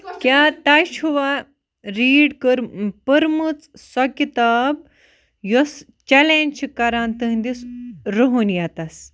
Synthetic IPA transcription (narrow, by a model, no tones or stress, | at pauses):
kʲat̪aɕuʋa | ɾiːɽkəɾpəɾmut͡ssɔkit̪ab̚ | jɔs | t͡ɕɛlẽnt͡ʃkaɾãnt̪əɦnd̪isɾoɦunjat̪as